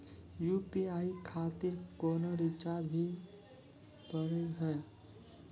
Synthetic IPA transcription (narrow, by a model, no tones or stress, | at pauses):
jupiajkʰat̪iɾkonʌɾit͡ʃaɾbʱi | pʌɾeɦʌj